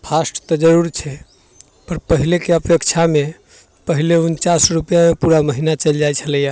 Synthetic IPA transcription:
pʰasʈt̪ɔd͡ʒəɾuɾt͡ʃʰɛ | pəɾpəɦilekeəpjəkt͡ʃʰame | pəɦileunt͡ʃasɾupəjamepuɾaməɦinat͡ʃəld͡ʒajt͡ʃʰələja

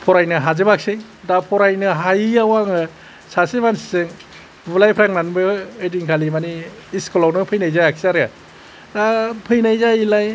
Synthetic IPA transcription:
pʰɔɾajnɯɦazɯbak̚sej | dapʰɔɾajnɯɦajawaŋɯ | sasimansi̥sɯŋ | bɯlajpʰɾaŋnanbɯediŋkʰalimani | iskɔlawnɯpʰɯjnajzajak̚siaɾja | dapʰɯjnajzajilaj

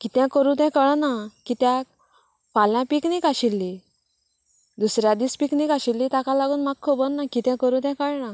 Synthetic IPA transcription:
kit̪jãkəɾũt̪̬ɛ̃kəɭnakit̪jãk | faljãpiknikaɕilːi | d̪usɾjad̪iːspiknikaɕilːit̪akalaɡuːnmak̚kʰobənːakit̪jɛ̃kəɾũt̪̬ɛ̃kəɭna

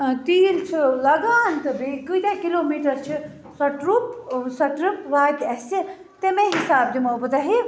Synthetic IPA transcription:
t̪iːlt͡ʃʰilɐɡaːnt̪ɨbikɨjd̪akiloːmiːʈɐɾt͡ʃʰi | sɐʈɾupsɐʈɾupʋaːkʲɐsi | t̪emeɦisaːb̚d̪imobɨd̪ɐɦi

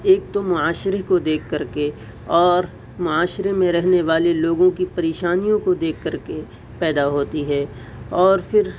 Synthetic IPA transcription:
eːk̚t̪omʊaːʃɾekod̪eːkʰːɐɾke | ɔːɾ | mʊaːʃɾemẽɾɛɦneʋaːleloːɡõkipɐɾeːʃaːnijõkod̪eːkʰːɐɾke | pɛːd̪aɦoːt̪iɦɛː | ɔːɾfʰɪɾ

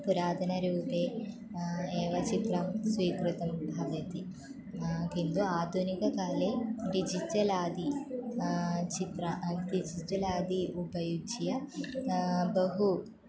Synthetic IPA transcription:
puɾaːd̪ʱɐnɐɾuːpeː | eːʋɐt͡ʃit̪ɾɐmsʋiːkɾut̪ɐmbʱɐʋɐt̪i | kind̪uaːd̪ʱunikɐkaːleːɖid͡ʒiʈɐlaːd̪ʱi | t͡ʃit̪ɾɐʔt̪id͡ʒiʈɐlaːd̪ʱiubɐjud͡ʒijɐ | bɐɦu

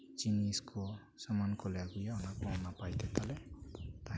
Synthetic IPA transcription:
t͡ʃiniskʰo | samankʰɔlaɡujaɔnakɔnapajt̪et̪alet̪a

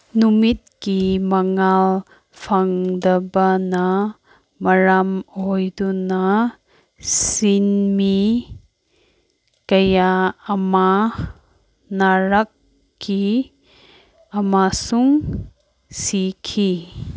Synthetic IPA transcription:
numit̚kimɐŋal | pʰaŋdɐbɐnɐ | mɐɾamojdunɐ | sinmi | kɐjaːma | naɾakː | i | ɐmasuŋ | sikʰi

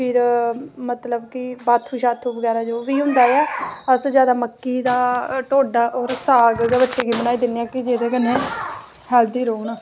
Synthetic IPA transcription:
pʰɪɾmət̪ləbkɪbaːt̪ʰːuːʃaːt̪ʰuːʋəɡɛːɾaːd͡ʒoːʋiːɦʊ̃nd̪aːeaːəsd͡ʒjaːd̪aːməkːiːd̪aːʈoːɖaːʔɔːɾsaːɡɡabətːʃeːɡiːbənaːiːd̪ɪnːejaːkɪd͡ʒeːd̪eːkənːẽː | hɛːld̪iːɾoːnaː

